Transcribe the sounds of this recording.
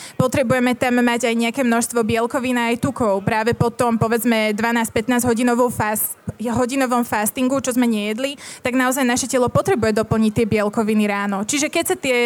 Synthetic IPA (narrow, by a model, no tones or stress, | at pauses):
pɔt̪ɾɛbujɛmɛt̪amːaɟajɲɛakɛːmnɔʃst̪ʋɔbɪɛlkɔʋinaːjt̪ukɔʊpɾaːʋɛpɔt̪ɔmpɔʋɛd͡zmɛd̪ʋanaːsc̚pɛt̪naːzɦɔɟinɔʋɔʊfs | ɦɔɟinɔʋɔmfast̪iŋɡut͡ʃɔzmɛɲɛjɛd̪lit̪aɡnaɔzajnaʃɛcɛlɔpɔt̪ɾɛbujɛd̪ɔpl̩ɲic̚t̪ːɪɛbɪɛlkɔʋiniɾaːnɔt͡ʃiʒɛkɛcsat̪ɪɛ